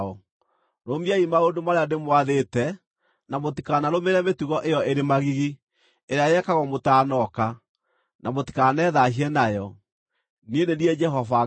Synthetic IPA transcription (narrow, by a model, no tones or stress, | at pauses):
ɔ | ɾomiaimaondomaɾeademwaðetɛ | namotikanaɾomeɾɛmetuɣɔʔejɔeɾemaɣiɣi | eɾeajɛkaɣɔmotaːnɔka | nʔamoti̥kanɛðaɦiɛnajɔ | nienendiɛd͡ʒɛɦɔva